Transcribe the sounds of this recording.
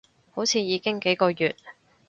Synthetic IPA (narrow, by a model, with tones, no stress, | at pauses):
ho˨˥wt͡sʰiː˧jiː˨˧kɪ˥ŋke˨˥jkɔː˧jyː˨t̚